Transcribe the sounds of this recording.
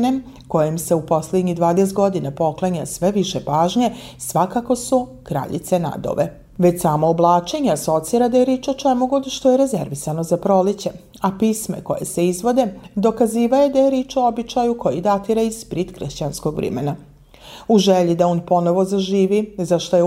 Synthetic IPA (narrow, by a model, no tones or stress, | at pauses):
ne | ko̞jimse̞upo̞sled̪ɲid̪ʋaːd̪es̬t̪ɡo̞d̪inapo̞klˠaɲa̰sʋe̞ʋiʃepaːʒɲe̞sʋakako̞su | kɾa̰ʎḭt̪se̞na̰d̪o̰ʋḛ | ʋet͡ɕsaːmoːblˠaːt͡ʃe̞ɲeaso̞t̪siːɾad̪ajeɾiːt͡ʃo̞t͡ʃemuɡod̪ʃt̪ojeɾe̞zḛɾʋisanozapɾo̞lit͡ɕe̞ | apismḛko̞je̞̰se̞izʋo̞d̪e̞d̪o̞kaziːʋaje̞d̪ajeɾiːt͡ʃo̞obit͡ʃajuko̞jid̪at̪iɾaispɾit̪kɾʃt͡ɕanskoɡʋɾɛ̰mḛna | uʒeʎid̪aoːnpo̞no̞ʋo̞zaʒiːʋizaʃt̪oje